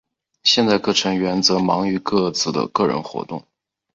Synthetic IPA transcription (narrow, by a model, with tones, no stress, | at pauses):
ɕjɛ˥˧nt͡sa˥˧ɪkɤ˥˩ʈ͡ʂʰɤ˧˥ŋɥɛ˧˥nt͡sɤ˧˥mɑ˧˥ŋy˧˥kɤ˥˩t͡sʰɹ̩˥˩d̪ə̰˦kɤ˥˩ɻə̰˧˥nxwɔ̰˧˥t̪ʊ̰˥˩ŋ